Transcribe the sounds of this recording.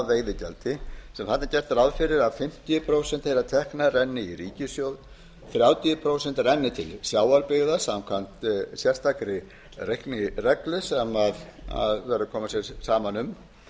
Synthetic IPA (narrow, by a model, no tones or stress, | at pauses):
veːjðɪcɛlt̪ɪsɛmθat̪nacɛɾ̥t̪aɾawfɪɾɪɾaðfɪm̥t̪ijʏpʰɾowsɛnt̪hejlat̪ʰɛhknaɾɛnːɪiriːcɪsjowð | θɾjaːwt̪iʏpʰɾoːwsɛn̥t̪ɾɛnːɪt̪ʰɪlsjaːwaɾpɪɣðasamkʰvan̥t̪sjɛr̥st̪ʰakɾɪ | rejhknɪrɛklʏsɛmaða̰ðvɛɾʏkʰɔːmasjɛɾsaːmanʏm